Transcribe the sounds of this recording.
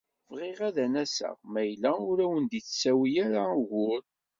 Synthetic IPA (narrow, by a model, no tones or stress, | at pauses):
vʁɪʁæðænæsə̰ʁmæjlːæʊɾæwənd̪iθsːæwijaɾaʝʊɾ